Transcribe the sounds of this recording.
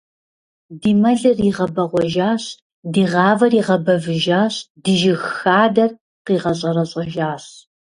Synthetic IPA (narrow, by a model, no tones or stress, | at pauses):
diːmɐɮɨriʁɐbɐʁʷɔʒaːɕ | diːʁɑːvɐriːʁɐbɐvɨʒaːɕdiʒɪxxaːdɐr | qiːʁɐɕʼɐrɐɕʼɪʒaːɕ